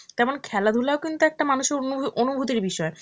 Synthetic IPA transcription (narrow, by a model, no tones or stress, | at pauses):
t̪ɛmonkʰɛlad̪ʱulaokint̪uɛk̚ʈamanuʃeɾonubʱut̪iɾbiʃɔe